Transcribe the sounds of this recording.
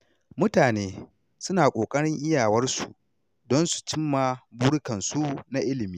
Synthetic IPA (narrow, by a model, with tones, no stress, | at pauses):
mʊ˦taː˨neː˦ | sʊ˦naː˨kʷʼoː˨kʼɐ˦ɽɪ˦ŋʔɪ˦jaː˨wɐ˦rsṵ˨ | dɔ˦nsu̥˨t͡ʃɪ˦mːa˨buː˦ɽʊ˦kɐ˨nsu˦na˦ʔɪ˦lɪ˨miː˦